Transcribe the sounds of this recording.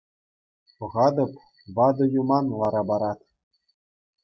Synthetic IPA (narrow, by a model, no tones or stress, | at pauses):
pɤ̆ʁɑd̪ɤ̆p | ʋɑd̪ɤ̆jumɑnlˠɑɾɑbɑɾɑt̪ʲ